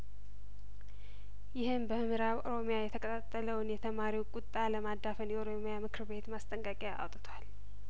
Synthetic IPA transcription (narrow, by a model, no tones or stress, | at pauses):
jɪhɨmbəɨmɨɾaβoɾo̞mjajɛt̪ʰəkʰʼət̪ʰat̪ʼːələwnjɛt̪ʰəmaɾiwkʼʊt̪ʼːaləmad̪ːafənjɛoɾo̞mijamɨkʰɨɾbe̞t̪mast̪ʼəŋkʼəkʼjaʔa̰wt̪ʼɨt̪ʰwal